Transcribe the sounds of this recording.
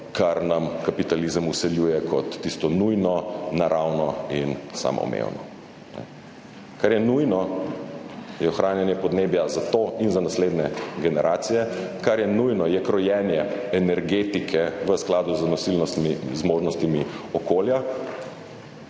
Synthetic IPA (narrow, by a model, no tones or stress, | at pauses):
kʰaɾnamkapit̪alizəmusɛljuːjɛkʰɔt̪ːist̪ɔnujnɔnaɾawnɔinsa̰ːmɔ̰mḛwnɔ̰ | nɛ̰ | kaɾjɛnujnɔ | jɛɔxɾaːnjɛnjɛpɔd̪neːbjazat̪oinzanasleːd̪nɛɡɛnɛɾʔaːt̪sijɛkaɾjɛnujnɔjɛkɾɔjɛnjɛɛnɛɾɡeːt̪ikʰɛʋəsklaːd̪uznɔsilnɔst̪mizmoːʒnɔst̪imiɔkoːlja